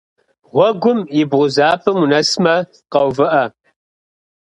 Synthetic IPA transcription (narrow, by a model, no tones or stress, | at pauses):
ʁʷɔɡʷʊmɪbʁʷʊzaːpʰɨmunɐsmɐ | qɐwvɨʔɐ